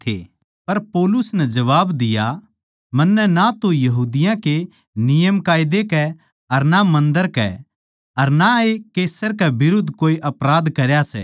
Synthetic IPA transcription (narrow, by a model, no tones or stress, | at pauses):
t̪ʰḛ | pɐɾpoːlʊsnɛd͡ʒɐʋaːbd̪ɪja | mɐnːɛnat̪ojɐɦuːd̪ɪjãke | nɪjəmkaːɪd̪ekɛ | ɐɾnamɐ̃nd̪əɾkɛ̰ | ɐɾnaekeːsəɾkɛbɪɾʊd̪ʱkoːiʔɐpɾaːd̪kɐɾjasɛ̰ː